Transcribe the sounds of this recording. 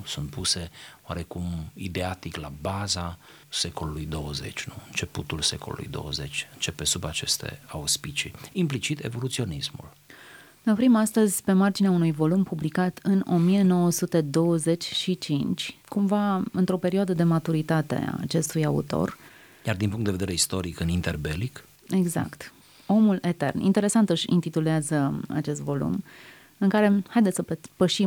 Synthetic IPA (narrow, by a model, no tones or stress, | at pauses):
sunt̪̚puse̞oa̰ɾe̞kumid̪eat̪iklabaza | se̞ko̞lulujd̪o̞wəze̞̰t͡ʃʲnuɨnt͡ʃe̞put̪ulsḛko̞lṵlṵjd̪o̞̰wə̰ze̞t͡ʃʲɨnt͡ʃe̞pesubat͡ʃe̞st̪e̞̰auspit͡ʃiimplit͡ʃit̪e̞̰vo̞lut̪sio̞nismṵl | neopɾimast̪əzʲpe̞mard͡ʒineaunujvo̞lumpublikat̪ʰɨno̞mije̞no̞wəsut̪e̞d̪o̞wəze̞t͡ʃʲʃit͡ʃint͡ʃʲkumvaɨnt̪ɾo̞pe̞ɾioad̪əd̪e̞mat̪uɾit̪at̪e̞̰a̰t͡ʃe̞st̪ujaṵt̪o̞̰r | ɡjard̪inpuŋk̪t̪d̪eved̪eɾeist̪o̞ɾikɨnint̪erbḛlik | e̞ɡza̰kt̪ | o̞mule̞t̪e̞̰rnḭnt̪e̞ɾe̞sant̪ɨʃʲḭnt̪it̪uleazəa̰t͡ʃe̞st̪vo̞lṵm | ɨŋkaɾe̞hajd̪et̪səppəʃi